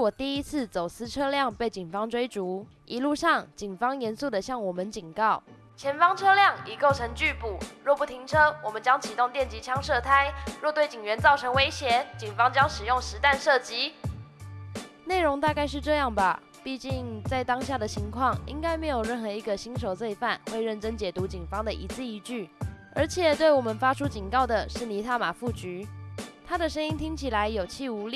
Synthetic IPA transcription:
wɔ˨˩t̪i˥˩i˦˥t͡s̩ʰ˥˩t͡so˨˩ʊsɹ̩˥ʈ͡ʂʰɤ˥ljɑ˥˨ŋpe˥˩ɪt͡ɕi˨˩ŋfɑ˥ŋʈ͡ʂwe˥ɪʈ͡ʂu˧˥ | ʔi˧˥lu˥˧ʂɑ˥˩ŋt͡ɕi˨˩ŋfɑ˥ŋjɛ˧˥nsu˥˩d̪ə˩ɕjɑ˥˩ŋwɔ˨˩mə˦nt͡ɕi˨˩ŋkɑ˥˩ʊ | t͡ɕʰjɛ˧˥nfɑ˥ŋʈ͡ʂʰɤ˥ljɑ˥˩ŋi˨˩ko˥˩ʊʈ͡ʂʰɤ˧˥ŋt͡ɕy˥˩pu˨˩˦ɻwɔ˥˩pu˥˩t̪ʰi˧˥ŋʈ͡ʂʰɤ˥wɔ˨˩mə˨˦nt͡ɕjɑ˥ŋt͡ɕʰi˨˩t̪ʊ˥˧ŋt̪jɛ˥˩nt͡ɕi˧˥t͡ɕʰjɑ˥ŋʂɤ˥˧t̪ʰa˥ɪɻɔ˥˧t̪we˥˩ɪt͡ɕi˨˩ŋɥɛ˧˦nt͡sɑ˥˩ʊʈ͡ʂʰɤ˧˥ŋwe˥ɪɕjɛ˧˥˦t͡ɕi˨˩ŋfɑ˥ŋt͡ɕjɑ˥ŋʂɻ̩˨˩jʊ˥˩ŋʂɻ̩˧˥t̪a˥˧nʂɤ˥˩t͡ɕi˥ | ne˥˩ɪɻʊ˧˥ŋt̪a˥˧ka˥˧ɪʂ̬ɻ̩˥˧ʈ͡ʂɤ˥˧jɑ˥˩ŋbɐ˩ | pi˥˧t͡ɕi˥˧ŋt͡sa˥˩ɪt̪ɑ˥ŋɕja˥˩d̪ə˩t͡ɕʰi˧˥ŋkʰwɑ˥˩ŋḭ˥ŋka˥ɪme˧˥ɪjo˨˩ʊɻə˥˩nxɤ˧˥i˧˥ɡə˧ɕi˥nʂ̬o˨˩ʊt͡swe˥˧ɪfa˥˩˨nxwe˥˧ɪɻə˥˩nʈ͡ʂə˥ŋt͡ɕjɛ˨˩t̪u˧˥t͡ɕi˨˩ŋfɑ˥ŋd̪ə˨ʔḭ˧˥t͡sɹ̩˥˩i˧˥t͡ɕy˥˩ | ə˞˧˥t͡ɕʰjɛ˨˩t̪we˥˩ɪwɔ˨˩mə˨˦nfa˥ʈ͡ʂʰu˥t͡ɕi˨˩ŋkɑ˥˩ʊd̪ə˩ʂɻ̩˥˩ni˧˥t̪ʰa˥˩ma˨˩fu˥˩t͡ɕy˧˥t̪ʰa˥d̪ə˨ʂə˥ŋi˥ŋt̪ʰi˥ŋt͡ɕʰi˨˩la˧˥ɪjo˨˩ʊt͡ɕʰi˥˩u˧˥li˥˩

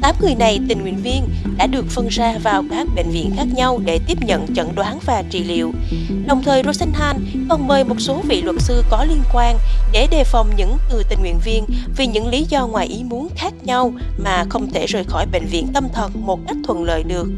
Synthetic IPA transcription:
t̪aː˨˦mŋɨ˨˩jna˨˩jt̪ï˨˩ŋ̟hwḭ˧˨ənvi˧ənɗa̰ː˧˥ɗɨ˨˩ək̚fə˧nzaː˧vaː˨˩wkaː˦˥k̚ɓḛ˧˨ŋ̟vḭ˧˨ənxaː˦˥k̚ɲa˧wɗe˧˩t̪i˦˥əp̚ɲə̰˧˨nt͡ɕə̰˧˨nɗwaː˨˦nvaː˨˩t͡ɕḭ˧˨lḭ˧˨əw | ɗə˨˩wŋ͡mt̪ʰəː˨˩jzo˧sa˧ŋnhaː˧n | kɔ˨˩nməː˨˩jmo˨˩t̚so˨˦vḭ˧˨lwə˨˩t̚sɨ˧kɔ˨˦li˧ənkwaː˧nɗe˧˩ɗe˨˩fa˨˩wŋ͡mɲɨ̰˧˥ŋt̪ɨ˨˩t̪ï˨˩ŋ̟hwḭ˧˨ənvi˧ənvi˨˩ɲɨ̰˧˥ŋli˨˦zɔ˧ŋwaː˨˩jʔi˨˦mu˨˦ənxaː˦˥k̚ɲa˧wmaː˨˩xə˧wŋ͡mt̪ʰe˧˩zəː˨˩jxɔ˧˩jɓḛ˧˨ŋ̟vḭ˧˨ənt̪ə˧mt̪ʰə˨˩nmo˨˩t̚ka˦˥jk̟̚t̪ʰwə̰˧˨nlə̰ː˧˨jɗɨ˨˩ək̚

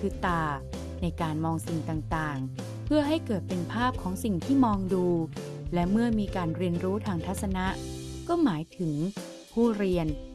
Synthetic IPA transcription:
kʰɯː˧t̪aː˧ | na˧jkaː˧nmɔː˧ŋsi˨˩ŋt̪aː˨˩ŋt̪aː˨˩ŋ | pʰɯ˥˩ɐɦa˥˩jkɤː˨˩t̪̚pe˧npʰaː˥˩p̚kʰɔː˩˦ŋsi˨˩ŋt̪ʰiː˥˩mɔː˧ŋduː˧ | lɛ˦˥mɯ˥˩ɐmiː˧kaː˧nɾi˧ənɾuː˦˥t̪ʰaː˧ŋt̪ʰa˦˥t̪̚sa˧na˦˥ʔkɔː˥˩maː˩˦jt̪ʰɯ˩˦ŋ | pʰuː˥˩ɾi˧ən

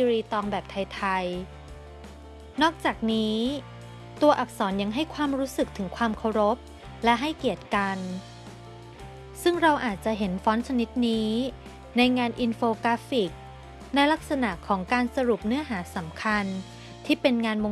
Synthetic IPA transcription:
i˧ɾiː˧t̪ɔː˧ŋbɛː˨˩p̚t̪ʰa˧jt̪ʰa˧j | nɔː˥˩k̚t͡ɕaː˨˩k̚niː˦˥ | t̪u˧ɐʔa˨˩p̚sɔː˩˦nja˧ŋɦa˥˩jkʰwaː˧mɾuː˦˥sɯ˨˩k̚t̪ʰɯ˩˦ŋkʰwaː˧mkʰa˧wɾo˦˥p̚ | lɛ˦˥ʔɦa˥˩jki˨˩ət̪̚ka˧n | sɯ˥˩ŋɾa˧wʔaː˨˩t̪̚t͡ɕa˨˩ʔɦe˩˦nfɔː˦˥nt͡ɕʰa˧ni˦˥t̪̚niː˦˥ | na˧jŋaː˧nʔi˧nfoː˧kaː˦˥fi˨˩k̚ | na˧jla˦˥k̚sa˧na˨˩ʔkʰɔː˩˦ŋkaː˧nsa˧ɾu˨˩p̚nɯ˦˥ɐɦaː˩˦sa˩˦mkʰa˧n | t̪ʰiː˥˩pe˧nŋaː˧nmo˧

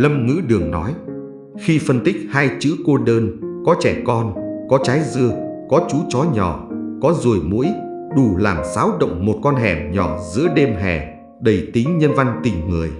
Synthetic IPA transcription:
lə˧mŋɨ̰˧˥ɗɨ˨˩əŋnɔ˨˦j | xi˧fə˧nt̪ï˦˥k̚haː˧jt͡ɕɨ̰˧˥ko˧ɗəː˧nkɔ˨˦t͡ɕɛ˧˩kɔ˧nkɔ˨˦t͡ɕaː˨˦jzɨ˧əkɔ˨˦t͡ɕu˨˦t͡ɕɔ˨˦ɲɔ˧˩kɔ˨˦zu˨˩əjmṵ˧˥əj | ɗu˨˩laː˨˩msaː˨˦wɗə̰˧˨wŋ͡mmo˨˩t̚kɔ˧nɦɛ˨˩mɲɔ˧˩zɨ̰˧˥əɗe˧mɦɛ̰˧˩ | ɗə˨˩jt̪i˨˦ŋɲə˧nva˧nt̪i˨˩ŋŋɨ˨˩əj

